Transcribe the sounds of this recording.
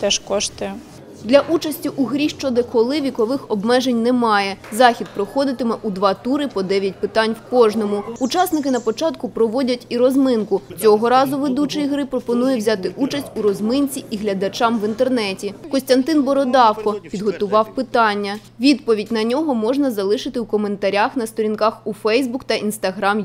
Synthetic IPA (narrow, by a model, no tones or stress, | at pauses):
t̪ɛʃkɔʃt̪ɪ | d̪lʲɐʔut͡ʃɐsʲtʲiʔuɦɾʲiʃt͡ʃɔd̪ɪkɔlˠɪʋʲikɔʋɪxɔbmɛʒenʲnɛmɑjɛzɑxʲid̪̚pɾɔxɔd̪ɪt̪ɪmɛʔud̪ʋɑt̪uɾɪpɔd̪ɛʋʲjɐt̚ʲpɪt̪ɑnʲwkɔʒnɔmʊːt͡ʃɑsnɪkɪnɐpɔt͡ʃɑt̪kʊpɾɔʋɔdʲɐtʲiɾɔzmɪnkʊt͡sʲɔɦɔɾɑzʊʋed̪ut͡ʃɪjiɦɾɪpɾɔpɔnujɛwzʲat̪ɪʔut͡ʃɐsʲtʲuɾɔzmɪnʲt͡sʲiʔiɦlʲɐd̪ɐt͡ʃɑmʋint̪ernɛtʲikɔsʲt̪ɐnt̪ɪnbɔɾɔd̪ɑwkɔpʲid̪ɦɔt̪ʊʋɑwpɪt̪ɑnʲːɐ | ʋʲid̪pɔʋʲidʲnɐnʲɔɦɔmɔʒnɐzɐlˠɪʃɪt̪ɪwkɔme̞nt̪ɐɾʲaxnɐst̪ɔɾʲinkɑxufɛjzbukt̪ɐʔinst̪ɐɦɾɑm